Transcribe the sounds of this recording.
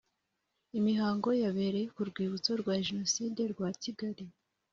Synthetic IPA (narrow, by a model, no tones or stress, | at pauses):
imiɦaːŋɡo̞jaβe̞ɾe̞kuɾɡwiːβut͡so̞ɾɡwaːʒeno̞side̞ɾɡwaːciɡaɾi